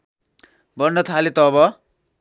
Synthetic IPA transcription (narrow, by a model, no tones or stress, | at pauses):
bʌnːʌt̪ʰalet̪ʌβʌ